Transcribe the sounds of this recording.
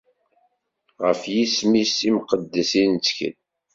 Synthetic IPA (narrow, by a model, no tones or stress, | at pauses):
ʁəfjismisimqəd̪ːæsint͡sːkə̰n